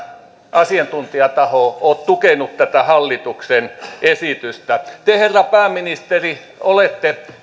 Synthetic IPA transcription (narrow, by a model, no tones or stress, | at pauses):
ʔɑsiɑnt̪unt̪iɑt̪ɑhoˑoːt̪t̪ukenut̪t̪æt̪æhɑlːit̪uksenesit̪yst̪æt̪eherːɑpæːmːinist̪eri | olet̪ːe